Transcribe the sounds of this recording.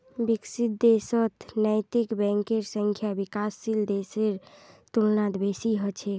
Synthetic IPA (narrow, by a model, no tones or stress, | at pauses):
biksit̪̚d̪esət̪nəjt̪ikbɛ̃ŋkeɾsəŋkʰjabikasːild̪eseɾt̪ulnad̪besiɦət͡ʃʰe